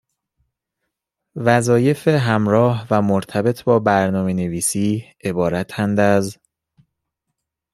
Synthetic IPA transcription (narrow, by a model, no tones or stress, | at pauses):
væzɒːje̞feɦæmɾɒːhvæmoɾt̪ʰæbe̞t̪ʰbɒːbæɾnɒːme̞ne̞viːsiː | e̞bɒːɾæt̪ʰænd̪æz